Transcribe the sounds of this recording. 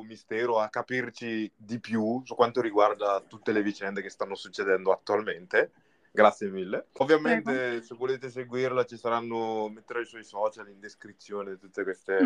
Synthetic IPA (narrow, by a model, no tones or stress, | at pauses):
mist̪ɛːɾoakːapirt͡ʃid̪ipjusukːwant̪oɾiɡward̪at̪ut̪ːelevit͡ʃɛnd̪ekest̪anːosut͡ʃːed̪ɛnd̪oat̪ːualment̪e | ɡɾat̪sːjemilːeovːjament̪esevːoleːt̪es̬eɡwirlat͡ʃisaɾanːomet̪ːeɾaiswɔjsɔːt͡ʃalind̪eskɾit̪sːjoːneit̪ut̪ːekwest̪e